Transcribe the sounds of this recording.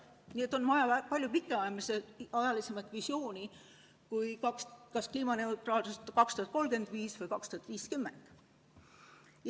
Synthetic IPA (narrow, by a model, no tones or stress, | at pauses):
nʲiːe̞t̪ːˑo̞nmɑjɑpɑlʲjupikːˑeɑjmiseɑjɑlise̞mɑt̪ˑvisjo̞ːni | kujkɑkskɑskliːmɑne̞ut̪ˑɾɑːlsust̪kɑkst̪uɑt̪̚ko̞lɡ̥e̞nd̪̥viːsvɤjkɑkst̪uɑt̪ːˑviːskymːend̪̥